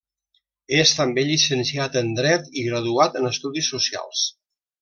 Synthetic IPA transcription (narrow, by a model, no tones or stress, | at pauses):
est̪əmbeʎisənsiat̪ənd̪ɾɛt̪iɣɾəðuat̪ənəst̪uðisːusia̰lˠs